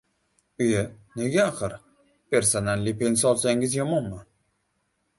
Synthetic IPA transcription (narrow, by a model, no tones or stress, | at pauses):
ʊjane̞ɡʲaːqɨɾ | pʰe̞ɾsonalːipe̞nsɒlˠsaŋɡʲɪzjɒmɒnma